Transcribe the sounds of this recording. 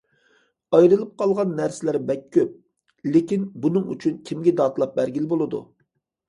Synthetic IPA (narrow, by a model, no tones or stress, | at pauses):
ɑjɾɨlˠɨp̚qʰɑlˠʁɑnːæɾsɪlæɾbɛkʲʰːøp̚ | lekʲinbunɨŋy̰t͡ʃʰynkʲʰimɡʲɛd̪ɑːt̪lˠɑp̚bæɾɡʲilbolˠɨd̪ṵ